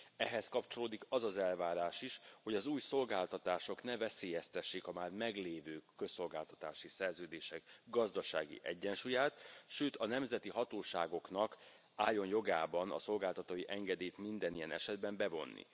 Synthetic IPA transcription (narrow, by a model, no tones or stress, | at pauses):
ɛɦɛskɒpt͡ʃo̞loːd̪ikɒzɒzɛlvaːɾaːʃiʃho̞ɟɒzuːjso̞lɡaːlt̪ɒt̪aːʃo̞knɛvɛseːjɛst̪ɛʃːiːkɒmaːrmɛɡleːvøːkø̞sːo̞lɡaːlt̪ɒt̪aːʃisɛrzøːd̪eːʃɛkɡɒzd̪ɒʃa̰ːɡḭʔɛɟːɛnʃuːjaːt̪ʃøːt̪ɒnɛmzɛt̪iɦɒt̪oːʃa̰ːɡo̞knɒk | aːjːo̞njo̞ɡaːbɒnɒ̰so̞lɡaːlt̪ɒt̪oːjiʔɛŋɡɛd̪eːjt̪mind̪ɛnijɛnɛ̰ʃɛd̪bɛmbɛvo̞nːḭ